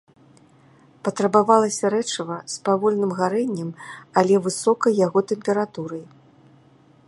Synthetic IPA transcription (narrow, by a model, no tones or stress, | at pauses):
pɐt̪ɾɐbavalˠɐsʲɐɾɛt͡ʂɐvɐspavɔlʲnɨmɣaɾɛnʲːɛmalʲɛvɨsɔkɐjːaɣɔt̪ɛmpʲɛɾat̪uɾɐj